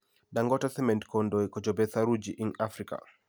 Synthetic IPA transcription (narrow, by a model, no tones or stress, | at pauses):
daŋɡɔtasɛmɛntkɔndɔɛkɔd͡ʒɔbɛsaɾud͡ʒiʔiŋafɾika̰